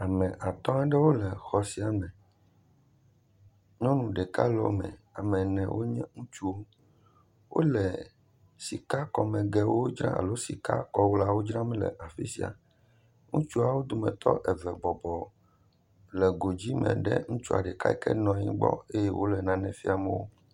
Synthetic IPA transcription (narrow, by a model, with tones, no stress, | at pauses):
a˨mɛ̃˨ʔa˨t̪ɔ̃˦ɛ˦ɖɛ˦wo˦lɛ˨xɔ˨si˨˦a˨mɛ̃˨ | ɲɔ̃˦nũ˨ɖɛ˨ka˦lɔ̰˦mɛ̰̃˨ | a˨mɛ̃˨nɛ̰̃˨wʔo˦ɲɛ̃˦ŋũ˦t͡ʃu˦o˦ | wʔo̰˦lɛ˨ | si˨ka˦kɔ˨mɛ̃˨ɡɛ˨wo˦o˦d͡ʒɾã̰˦a̰˨lo˦si˨ka˦kɔ˨wo˦la˦wo˦d͡ʒɾã˦mɛ̃˦lɛ̰˨ʔa˨fi˦si˦a̰˨ | ŋũ˦t͡ʃu˦a˨wo˦d̪o˨mɛ̰̃˨t̪ɔ̰˦ʔɛ˨vɛ˨bɔ˨bɔ˨ | lɛ˨ɡo˨d͡ʑi˦mɛ̰̃˨ɖɛ̰˦ŋũ˦t͡ʃu˦a̰˨ɖɛ˨ka̰˦ɛ˨kɛ˦nɔ̃˨ɲḭ̃˦ɡ͡bɔ̰˦e˦jɛ˦wʔo˦lɛ˨nã˨nɛ̃˨fi˦a˨mɛ̃˦wo˦